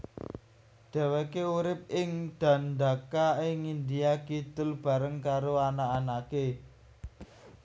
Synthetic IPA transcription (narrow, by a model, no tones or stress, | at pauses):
ɖ̪̥ɛ̤wekeuɾɪp̚ɪŋɖ̪̥a̤nd̪a̤kaɪŋind̪iakit̪ʊlb̥a̤ɾəŋkaɾoanaːnake